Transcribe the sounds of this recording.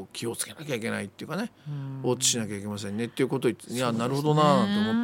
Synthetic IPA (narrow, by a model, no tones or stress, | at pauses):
kʲʰio̞t͡sɨ̥ke̞nakʲaikʲe̞nait̪ːe̞iɯ̟kane̞oːt͡ɕːi̥ɕinakʲaik̬e̞mas̬ẽ̞nːe̞t̪ːeiɯ̟ko̞t̪oianaɾɯ̟ho̞d̪o̞nat̪ːoomot̪ː